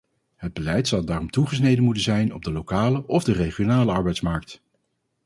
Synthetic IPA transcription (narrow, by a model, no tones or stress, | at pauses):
ɦəd̚bəlɛjtsɑwdaːrɔmtuχəsnejdənmutənzɛjnɔb̚dəlowkaːləʔɔvdəreχijonaːləɑɹbɛjtsmɑɹk̚t